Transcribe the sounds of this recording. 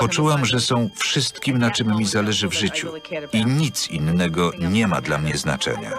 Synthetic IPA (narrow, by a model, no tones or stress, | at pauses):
pɔt͡ʂuwamʐɛsɔ̃w̃fʂɘst̪kʲimnat͡ʂɘmːʲizalɛʐɘvʐɘt͡ɕṵiɲit̪sḭnːɛɡɔɲɛma̰d̪lamɲɛzna̰t͡ʂɛ̰ɲa̰